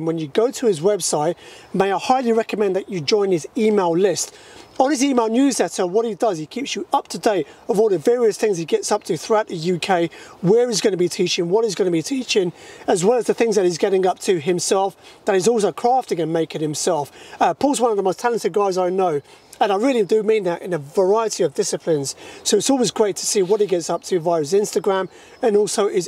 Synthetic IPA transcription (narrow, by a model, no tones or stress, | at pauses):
nwə̃njɨɡoʊtʰəɪzwɛb̥saɪt | meɪaɪhaɪlˠiɹɛkəmɛ̃nðɨt͡ʃɨd͡ʒɔ̃ɪ̃nɪziːmeɪlˠlɪst | ə̃nɪziːmeɪlˠnjʉzlɛtə˞wʌɾ̚hidʌz̥ikʰiˑpsjəʔʌp̚tʰədeɪtəvɔːlˠðəvɛːɹiɨsθɪ̃ŋz̥iɡɛtsʌp̚tʰɨθɹʉaʊʔ̪ðəjʉkʰeɪwəɹɨzɡʌnəbitʰiˑt͡ʃɪ̃ŋwʌɾɨzɡʌnəbitʰiˑt͡ʃɪ̃ŋəzwɛlˠəzðɨθɪ̃ŋzðɨɾɨzɡɛɾɪ̃ŋʌp̚tʰɨɪ̃msɛlˠfðəɾɨzɔlˠsoʊkʰɹ̥ɑˑftɪ̃ŋɨ̃nmeɪkɪ̃ŋhɨ̃msɛlˠfʌpʰɔˑlˠzwʌ̃nʌvðəməʊstʰælˠə̃ntɨd̚ɡaɪzaɪnoʊ | ə̃naɪɹɪlˠidɨmĩnðəɾɪ̰̃nɨvə˞aɪəɾiʌvdɪsɨpʰlɪ̃nz̥soʊɨtsɔˑlˠwɪzɡɹeɪtʰə̥siwʌt̚hiɡɛtsʌp̚tʰɨvaɪɹəzɪ̃nstɨɡɹæ̃m | ɨ̃nɔˑlˠsoʊʔɪz